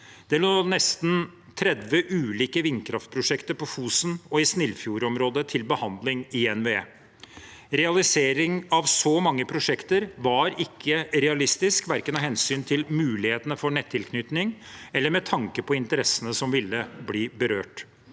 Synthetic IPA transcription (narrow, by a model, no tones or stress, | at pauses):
d̪̥ɛloːnɛst̪n | t̪ʰɾɛd̪ʋəʔʉːliːkəʋɪnkʰɾɑft̪̚pʰɾʊʂɛkt̪əɾpʰɔfuːsnɔɪsnɪlːfjuːɾɔmɾoːd̪ət̪ʰɪlbəhɑnd̪lɪŋɪɛnʋḛː | ɾɛɑlɪseːɾɪŋɑʋsɔmɑŋːəpʰɾʊʂɛkt̪əɾʋɑɾɪkʰːəɾɛɑlɪst̪ɪskʋæɾkənɑɦɛnsyːnt̪ʰɪlmʉːlɪheːt̪ənəfɔɳɛt̪ʰːɪlkʰnʏt̪nɪŋɛlːəɾmɛt̪ʰɑŋkəpʰɔɪnt̪əɾɛsːənəsɔmʋɪlːəbliːbəɾøːʈ